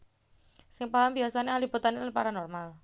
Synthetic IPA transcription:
sɪŋpaɦambiasanealibut̪anːelanpaɾanɔrmal

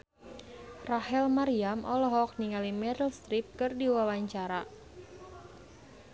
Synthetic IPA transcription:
rahɛlmaɾiamʔɔlɔɦɔk̚niŋalimɛɾəlst̪ɾip̚kɨrdiwawaɲt͡ʃaɾa

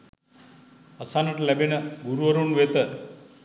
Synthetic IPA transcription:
ɐsanəʈəlæbenəɡuɾuəɾunʋet̪ə

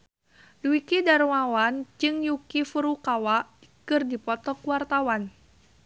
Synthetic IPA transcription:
luikidaɾumawand͡ʒɨŋjukifuɾukawaʔkɨrdipɔt̪ɔkuwart̪awan

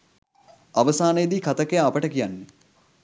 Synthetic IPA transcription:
aʋəsaːnəjəd̪iːkat̪əkejaːpəʈəkijanːe

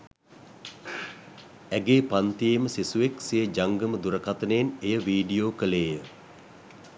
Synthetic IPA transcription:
æɡeːpant̪ijeməsisuʋeksijəd͡ʒaŋɡəməd̪uɾəkat̪ənəjenejəʋiːɖijoːkəleːjə

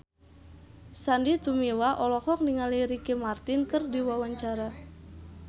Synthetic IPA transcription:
sandit̪umiwaʔɔlɔkɔk̚niŋaliɾikimart̪ɪnkərdiwawaɲt͡ʃaɾa

